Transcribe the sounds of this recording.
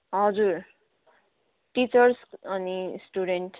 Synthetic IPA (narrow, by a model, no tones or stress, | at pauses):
ɦʌd͡zuɾ | ʈit͡sʌɾsʌnisʈuɖeɳʈ